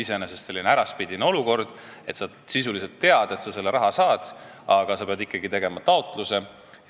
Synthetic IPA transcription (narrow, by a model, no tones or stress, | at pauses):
isenesest̪se̞lːineæɾɑspid̪ineo̞luko̞rd̪̥ | e̞t̪sɑ | sisulise̞lt̪ːe̞ɑd̪̥e̞t̪sɑse̞lːeɾɑɦɑsɑːd̪̥ | ɑɡ̥ɑsɑpeɑd̪ikːˑɑɡit̪e̞ɡ̥e̞mɑt̪ɑo̞t̪ˑluse̞